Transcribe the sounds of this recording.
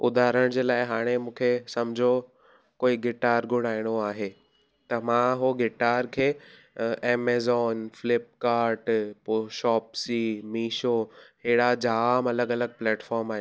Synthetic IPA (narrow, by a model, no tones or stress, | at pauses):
ʊd̪ʱaːɾəɽ̃d͡ʑeːlaːɪɦaːɽ̃emũːkʰesɐmd͡ʑʱo | koːiɡeʈaːɾɡʱʊɽ̃aːiɽ̃oaːɦe | t̪ɐmãɦoɡeʈaːɾkʰeː | eːmeːzɔːnfɪlɪp̚kaːɾʈpoʃɔːpsiːmiːʃoɦeːɽad͡ʑaːmɐləɡɐləɡ̚plɛːʈfɔːɾmaːɦɪ